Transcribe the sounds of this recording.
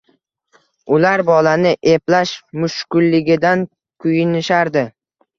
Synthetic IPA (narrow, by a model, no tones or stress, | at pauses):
ʊlaɾbɒlanɪʔeplaʃmʊʃkʊlːɪɡʲɪd̪an | kʰʊjɪnɪʃaɾd̪ɪ